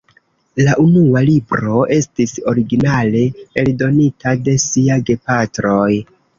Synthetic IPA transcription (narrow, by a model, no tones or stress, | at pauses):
laʔunualibɾo̞ʔe̞stiso̞ɾiɡinale̞eldo̞nitade̞siaɡe̞patɾo̞j